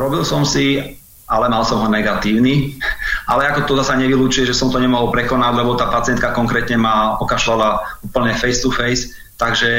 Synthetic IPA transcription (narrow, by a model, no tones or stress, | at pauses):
ɾɔbilsɔmsi | alɛmalsɔmɦɔnɛɡat̪iːʊniʔalɛakɔt̪ɔd̪asaɲɛʋiluːt͡ʃujɛʒɛsɔmt̪ɔɲɛmɔɦɔlpɾɛkɔnaɟlɛbɔt̪aːpat͡sɪɛnt̪kakɔŋkɾɛːt̪ɲɛmaɔkaʃlalauːpl̩ɲɛfɛjst̪ufɛjs | t̪aɡʒɛ